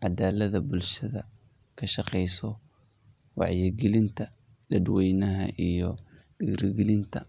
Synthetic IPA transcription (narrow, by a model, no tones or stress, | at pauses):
ʕɑd̪aːlɐðɐbʊlʃɐðɐ̰ | kʰɐʃɑqɛjsɔ | wɑ̰ʕjɪɡɛlɪnt̪ʰɐ | lɐd̪wɛjnɐɦɐ̰ʔijɔ | ɖɪɡɾɪɡɛlɪnt̪ʰɐ